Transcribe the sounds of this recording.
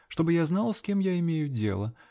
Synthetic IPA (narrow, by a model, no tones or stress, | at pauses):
ʂt̪o̞bɨjaznalˠskʲe̞mjaɪmʲejʊdʲḛlˠə